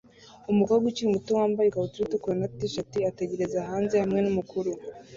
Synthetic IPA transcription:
umukaɡut͡ʃijumutuwaːmbajekaβutuɾitukuɾanatiʃatiateɟe̞ɾe̞zaːɦaːnze̞hamŋe̞numukuɾu

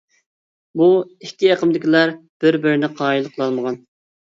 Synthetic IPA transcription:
buɪkʲːieqəmd̪ɪkʲilˠɑɾb̥ɪɾbɪɾɪnɪqʰɑːilˠəqʰəlˠɑlˠməʁɑn

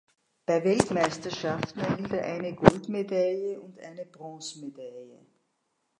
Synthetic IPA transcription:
b̥aɪvɛltmæɪstɐʃaftn̩ɛɡɪltɛɐʔaɪnəɡɔltmedaljəʔʊntʔa̰ɪnəb̥ʁɔ̃ːsmedaljə

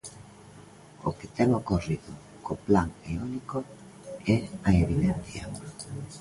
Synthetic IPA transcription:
o̰kɪ̥t̪ɛmokoriðʊ | koplaŋeuniko | ɛaeβiðɛnθjɐ̰

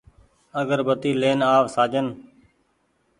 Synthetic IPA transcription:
əɡəɾbət̪iːleːnaːʋsaːd͡ʒən

